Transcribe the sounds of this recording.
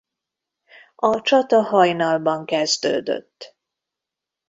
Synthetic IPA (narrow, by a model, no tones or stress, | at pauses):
ɒt͡ʃɒt̪ɒhɒjnɒlbɒŋkɛzd̪ø̰ːd̪ø̰t̪ː